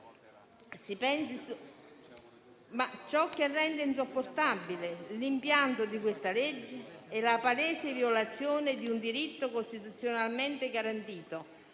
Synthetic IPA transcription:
sipɛnsɪsu | mat͡ʃːɔkːerːɛnd̪ɪins̬opːort̪abːilɪlimpjant̪ʊd̪ikwest̪aled͡ʒːɪɛlapalɛːsɪvjolat̪sːjɔːnɪd̪iund̪iɾit̪ːokost̪it̪ut̪sːjonalment̪ɪɡaɾant̪iːt̪o

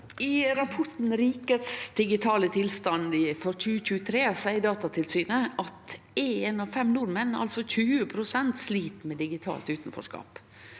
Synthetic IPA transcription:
ɪɾɑpʰɔʈn̩ɾiːkət̪sd̪ɪɡɪt̪ʰɑːlət̪ʰɪlst̪ɑnɪfɔɾc͡çʉːəçʉːət̪ʰɾeːsæɪd̪ɑːt̪ɑt̪ʰɪlsyːnəʔɑt̪ | enɑʋfɛmnuːɾmɛnːʔɑ̰lsɔçʉːəpʰɾʊsɛnt̪sliːt̪mɛd̪ɪɡɪt̪ʰɑ̰ːlt̪ʉːt̪n̩fɔ̰ʂkɑ̰ːp

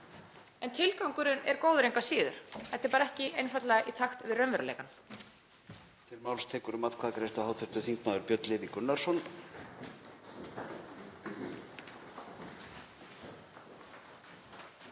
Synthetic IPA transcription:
ɛnt̪ʰɪlkawŋkʏɾʏnɛɾkoːwðɾejŋkasiːðʏɾ̥θɛht̪ːɪɾpaːɾaɛhcɪʔejnfat̪laɣaʔit̪ʰaxt̪vɪðrœnvɛɾʏlḛjkan | t̪ʰɪlmawlst̪ʰɛːkʏɾʏmaðkʰvaðakɾejst̪ahawt̪ʰʏɾ̥t̪ʏθiŋknaðʏɾpjœt̪lɪvikʏnːaɾ̥sɔn

